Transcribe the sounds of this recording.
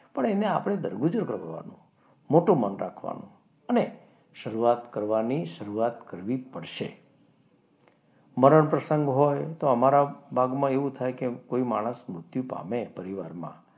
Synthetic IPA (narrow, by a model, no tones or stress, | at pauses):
pəɳenea̰pəɳ̃ed̪əɾɡud͡ʒəɾkəɾʋʋa̰nṵ̃ | moʈũmənɾa̰kʰʋa̰nṵ̃ | əne | ʃəɾuat̪kəɾʋaniʃəɾuat̪kəɾʋipəɽʃḛ | məɾəɳpɾəsəŋɡɦojt̪oəmaɾabʱaɡmãeʋũt̪ʰajkekoimaɽ̃əsmɾʊt̪jupa̰mepəɾiʋaɾmã̰